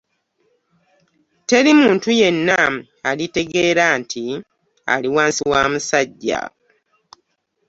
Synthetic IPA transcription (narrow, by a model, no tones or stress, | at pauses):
te̞ɾimuːntuje̞nːa | alite̞ɡe̞ːɾaːntʰi | a̰liwaːnsiwaːmusaɟːa̰